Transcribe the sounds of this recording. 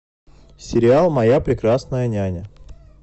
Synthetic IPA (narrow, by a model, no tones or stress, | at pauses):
sʲɪɾʲɪalˠmɐjapɾʲɪkɾasnəjənʲænʲə